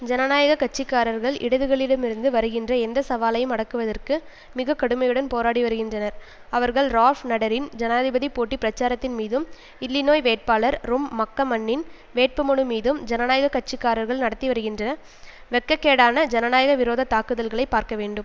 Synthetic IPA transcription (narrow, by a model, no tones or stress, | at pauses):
d͡ʒɐnɐnaːjɐɣɐkɐʈ̚t͡ʃːɪkːaːɾɐɾɣɐɭɪ̰ɽɐðɯɣɐɭɪɽɐmɪɾɯnd̪ɯʋɐɾɯɣɪndrɐɛnd̪ɐsɐʋaːlɐjɯmɐɽɐkːɯʋɐðɐrkɯ | mɪɣɐkːɐɽɯmɐjɯɽɐnpoːɾaːɽiʋɐɾɯɣɪndrɐnɐɾ | ɐʋɐɾɣɐɭɾaːfnɐɽɐɾɪnd͡ʒɐnaːðɪbɐðipoːʈːipɪɾɐt͡ʃːaːɾɐt̪ːɪnmiːðɯm | ɪlːɪnoːjʋeːʈ̚paːlɐɾɾʊmːɐkːɐmɐɳːɪn | ʋeːʈ̚pɯmɔɳɯmiːðɯmd͡ʒɐnɐnaːjɐɣɐkɐʈ̚t͡ʃɪkːaːɾɐɾɣɐɭnɐɽɐt̪ːiʋɐɾɯɣɪndrɐnɐ | ʋɛkːɐkːeːɽaːnɐd͡ʒɐnɐnaːjɐɣɐʋɪɾoːðɐt̪aːkːɯðɐlɣɐɭɐɪpːaːɾkɐʋeːɳɖɯm